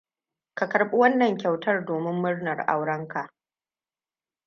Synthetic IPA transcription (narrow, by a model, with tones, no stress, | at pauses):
ka˨kɐ˨ɾɓu˦wɐ˦nːɐ˨ŋkʲa˨wtɐ˦rdoː˨mɪ˦mːʊ˦rnɐ˨rʔa̰˨wɽɐ˦ŋka˨ʔ